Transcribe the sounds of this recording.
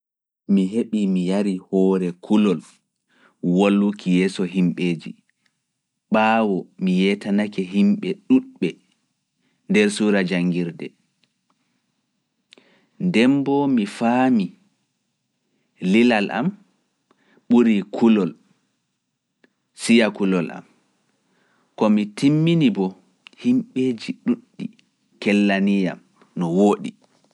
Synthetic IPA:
miɦeɓimijaɾihɔːɾɛkʰulɔl | wolːukijɛːsɔɦimɓeːd͡ʒḭ | ɓaːwɔmijɛtanakɛɦimɓɛɗuɗɓɛ | ndɛɾsuɾad͡ʒaŋɡiɾdɛ | ndɛmbɔmifaːmi | lilalʔa̰m | ɓuɾikʰulɔl | sijakulɔla̰m | kɔmitimːinibɔ | himɓeːd͡ʒiɗuɗːi | kɛlːanijam | nɔwoːɗḭ

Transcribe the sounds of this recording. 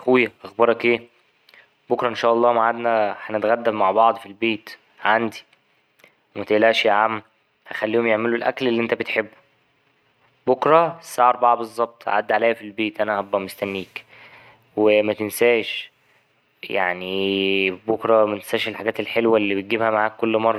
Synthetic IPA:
xujːæʔɑxbɑɾˤɑkʔeː | bokɾˤɑʔenʃæːʔɑlˤːɑːmaʕad̪næħænet̪ɣæd̪ːæbmaʕbɑʕd̪ˤfilbeːt̪ | ʕand̪i̥ | wmæt̪eʔlæʔʃjaʕamː | hæxælːiːhomjeʕmelolʔæ̰klelːiʔent̪æbet̪ħebːo̥ | bokɾˤɑsːaʕɑɾˤbɑʕbezˤːɑb̚t̪ˤha̰ʕad̪ːʕalæjæfilbeːt̪ʔænæhɑbːæmost̪ænːiːk | wemæt̪ensæːʃ | ja̰ʕni | bokɾˤɑmæt̪e̥nsæːʃelħaɡæːt̪elħelwælːiːbet̪̚ɡibhæmaʕaːkːolːmɑrˤːɑ

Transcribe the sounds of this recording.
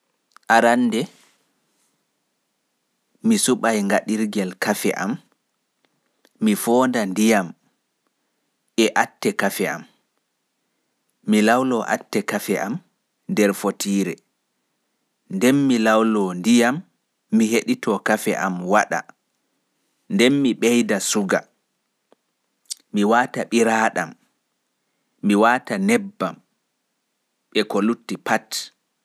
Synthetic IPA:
ʔaɾanːdɛ | misuɓajŋɡaɗiɾɡɛlkafɛ̰ʔa̰m | ifɔndandijam | ʔɛʔatːɛkafɛa̰m | ilawlɔʔa̰tːɛkafɛʔam | ndɛɾfotʰiːɾɛ | ndɛnmilawlɔndijamː | iɦeɗitɔkafɛ̰ʔamwaɗa̰ | ndɛnmiɓɛjdasuɡa̰ | iwaːtaɓiɾaːɗam | iwaːtanɛbːam | ɓɛkɔlutːipat

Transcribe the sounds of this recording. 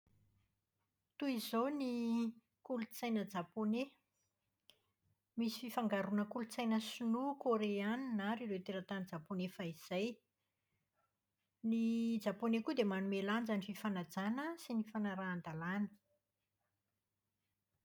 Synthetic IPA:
t̪uizoni | kulut͡sajnəd͡zapone | misi̥fifaŋɡaɾunəkulut͡sajnəsunukoɾeaninaɾiɾewt̪eɾət̪anid͡zaponefaiz̥aj | nid͡zaponekud̪emanumeland͡ʒanififanad͡zanəsinifanaɾaːnd̪alanə̥

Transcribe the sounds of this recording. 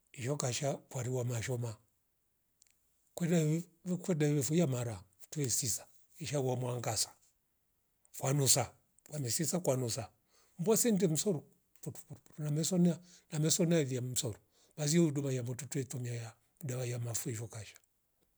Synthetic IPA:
iʃɔkaʃakwaɾiwamaʃɔma | kwɛdakwɛdaɛβɛfujamaɾatuɛsisḁ | iʃawamwaŋɡasḁ | fwanusa | kwamɛsisakwanusa | m̩bwasɛnt̬ɛm̩sɔɾu | putu̥puɾupu̥ɾunamɛsɔnɛa | namɛsɔnaviam̩sɔɾu | baz̬iɔudumajamɔtutɛtɔmiaja | udaβajamafuɛʃɔkaʃḁ

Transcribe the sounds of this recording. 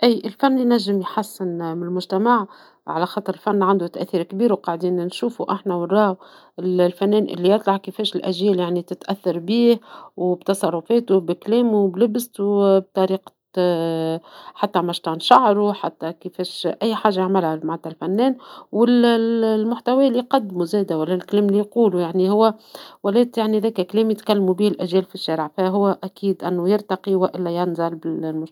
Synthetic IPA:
ʔiːʔɪlfænːjnæʒːɪmjħasːɪnmɪnɪlmʊʒt̪æmaʕ | ʕalæxɑːt̪ˤəɾɪlfanːʕand̪ut̪æʔθiːɾkbiːɾwqɑʕd̪iːnnʃuːfuʔaħnæwɪrˤːɑːw | ɪllfænːɛːnʔɪ̰lːijɑt̪ˤlɑʕkəfɛːʃɪlʔæʒjɛːljaʕnit̪ɪt̪ʔæθːɑɾˤbiːhwbt̪ɑsˤɑrˤːʊfɛːt̪ubɪklɛːmublɪbst̪ub̚t̪ˤɑɾiːq | ħat̪ːæmæʃt̪ɑnʃɑʕɾuħat̪ːækəfɛːʃʔæjːħaːʒajaʕmɪlhamaʕt̪ːælfænːɛːnwɪllmʊħt̪æwæːlːiqɑd̪ːmuzɛːd̪æwælːælklɛːmlijquːlujaʕnihʊwːæwælɛːt̪jaʕniðɛːkæklɛːmjɪt̪kælːmubiːhɪlʔæʒjɛːlfiʃːæːɾɪʕfæɦʊwːæʔækiːd̪ʔɪnːujɪɾt̪ɑqiwæʔɪlːæjænzɑlbɪlmʊ

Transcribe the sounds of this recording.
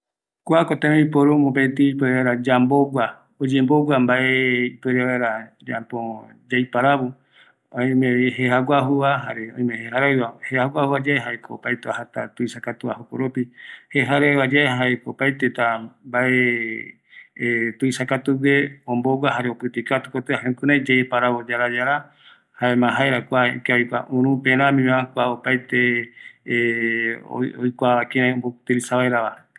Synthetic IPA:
kʷakot̪ẽmeipoɾumopet̪iipweɾeeɾad͡ʒamboɡʷa | od͡ʒẽmboɡʷwambaʔeipeɾeβeɾa | d͡ʒa̰po | d͡ʒajpaɾaβo | oj̃mẽβiɦehaɡʷaɦuβaɦaɾeõj̃mẽheɦaɾaɨβahehaɡʷahuβad͡ʒaeɦaekoopajt̪eahat̪a̰t̪uisakat̪uaɦoko̰ɾopiheɦaɾaβad͡ʒaeɦaekoopajt̪et̪ambae | t̪uisakat̪uweõmbowʷaɦaɾeopɨt̪ikat̪u̥kot̪eahẽkɨɾãjd͡ʒeepaɾaβod͡ʒaɾad͡ʒaɾa | haemãɦaeɾakʷaḭkeojkʷa̰ʔũɾ̃ũpẽɾãmĩmãkʷaopajt̪e | o̰ojkʷaakeɾãombo̥t̪eɾisaβaeɾaβa

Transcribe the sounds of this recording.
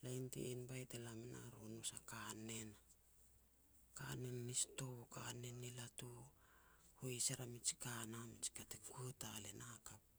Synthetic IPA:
lajntḛinbajtelamena̰ɾonusakane̞n | ka̰nenːisto̞kanenilatu | hoisaɾamit͡ʃi̥kanamit͡ʃi̥katekuetalenakap̚

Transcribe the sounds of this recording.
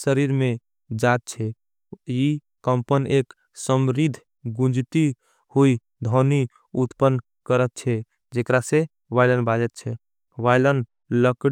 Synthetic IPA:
səɾiɾmẽ | d͡ʒat̪̚t͡ʃʰɛ | i | kəmpənek | səmɾid̪ʱ | ɡũd͡ʒt̪i | hui | d̪ʱɔni | ut̪pən | kəɾət̪̚t͡ʃʰɛ | d͡ʒekɾase | ʋajlənbad͡ʒɛt̪̚t͡ʃʰɛ | ʋaɪlən | ləkɽ

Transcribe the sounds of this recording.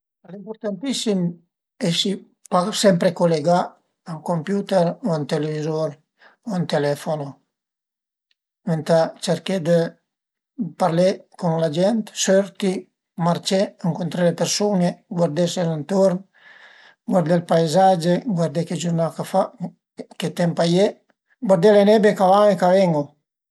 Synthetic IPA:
limpoɾt̪ant̪isim | ɛsi | pasɛmpɾekoleɡa | aŋkompjut̪ɛɾoant̪elevizoɾ | oant̪elɛfono | ment̪at͡ʃeɾked̪ə | paɾlekuŋlad͡ʒɛnt̪søɾt̪i | maɾt͡ʃeaŋkont̪ɾelepeɾsuneɡwaɾd̪eselant̪oɾn | ɡwaɾd̪elpajzad͡ʒeɡwaɾd̪eked͡ʒuɾnakafa | ket̪ɛmpaje | ɡwaɾd̪elenɛbekavaŋekavɛŋo

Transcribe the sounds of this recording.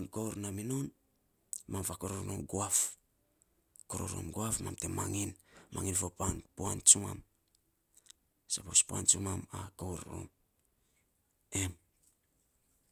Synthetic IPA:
nkowɾnaminon | mamfakoɾoɾnonɡuaf | koɾo̰ɾo̰mɡoafmamtemaŋinmʔaŋinfopanpuant͡ʃuma̰m | sapospuant͡ʃumamakowɾo̰m | em

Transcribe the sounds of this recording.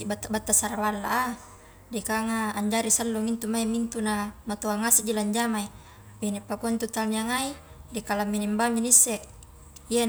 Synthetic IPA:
ibat̪ːabat̪ːasaɾawalːa̰ʔa | dikaŋaːɲd͡ʒaɾisəlːuŋint̪umaimint̪unamat̪uaŋasid͡ʒilaɲd͡ʒamai | benipakɔnt̪ut̪alniaŋai | dikalamːinimbaminisːɛk̚ | ja

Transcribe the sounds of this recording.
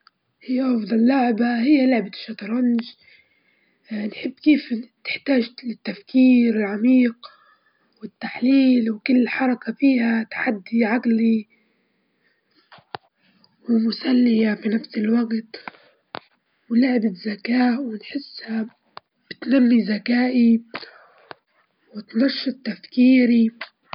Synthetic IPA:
hɪjːaʔɑfd̪ˤɑlːʊʕbahɪjːalʊʕbaʃːɑt̪ɾˤɑnd͡ʒ | nħɪbːkeːft̪ɪ̥ħt̪aːʒɪt̪ːafkiːɾɪlʕamiːq | wɪt̪ːaħliːlwkʊlːħɑɾˤɑkafiːhat̪ḁħad̪ːiʕaɡli | wɪmʊsalːɪjafinafsɪlwaɡt̪ | wɪlaʕɪbɪzːakaːʔwɪnħɪsːha | b̥ɪt̪namːizakaːʔi | wɪt̪nɑʃːɪt̪ːafkiːɾi

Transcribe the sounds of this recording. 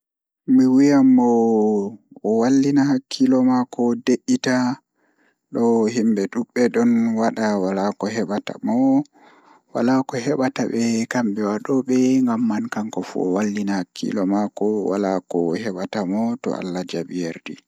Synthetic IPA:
miwijamːɔ | ɔwalːinahakʰːilɔmakɔdeʔːita | ɗɔɦimbɛɗuɓːɛɗɔnwaɗawalakɔɦɛɓata̰mɔ | walakɔhɛɓatabɛkambɛwaɗɔɓɛŋɡamːankaŋkɔfṵɔwalːinahakʰːḭlɔmakɔwa̰lakɔhɛɓatamɔtɔ̰ʔa̰lːad͡ʒabijaɾdi

